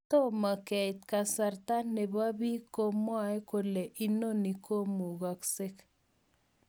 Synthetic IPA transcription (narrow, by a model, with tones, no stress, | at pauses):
t̪o˦ma˨kɛ˨jt̪ka˨sa˨ɾt̪a˦ne˨βa˦βi˦ko˦mwa˦e˦ko˨le˨ʔi˦no˦ni˨kʰo˦mu˨ɣa˨kse˦k